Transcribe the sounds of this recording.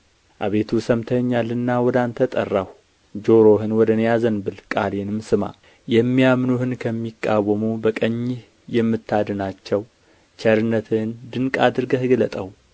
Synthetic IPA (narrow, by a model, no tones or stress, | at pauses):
ʔa̰βe̞t̪ʰusəmt̪ʰəɲːalːɨnːawɔd̪ant̪ʰət̪ʼə̰rːah | d͡ʒo̞ɾoɦɨnwɔd̪ənjazənbɨlkʼalenɨmsɨma̰ | jɛmːijamnuhɨnkʰəmːikʼːawəmubəkʼəɲːɪh | jɛmːɨt̪ʰːad̪ɨnat͡ʃːɛw | t͡ʃɛɾɨnːət̪ʰɨnd̪ɨŋkʼad̪ɨɾɡəhɨɡlət̪ʼəw